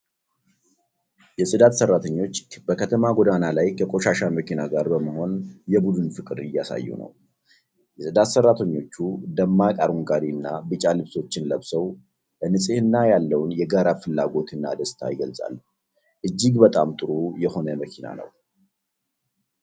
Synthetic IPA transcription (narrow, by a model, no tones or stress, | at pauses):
jɛsʼɨd̪at̪sərːat̪ʰəɲːo̞t͡ʃːb̥əkʰət̪ʰəmaɡod̪analajkʰəkʼo̞ʃaʃaməkinaɡaɾbəməho̞njɛbud̪ɨnfɨkʼɨɾɪjːasa̰jːṵnə̰w | jɛsʼɨd̪at̪sərːat̪ʰəɲːo̞t͡ʃːud̪əmːakʼaɾuŋɡad̪inːabɨt͡ʃʼalɨβso̞t͡ʃːɪnləβsəw | bənɨsʼehɨnːajalːəwnjɛɡaɾafɨlːaɡo̞t̪ʰɨnːa̰d̪əst̪ʰa̰jɪɡəlsʼa̰l | ʔɨd͡ʒːiɡbət̪ʼa̰mt̪ʼɨɾujɛho̞nəməkʰina̰nə̰w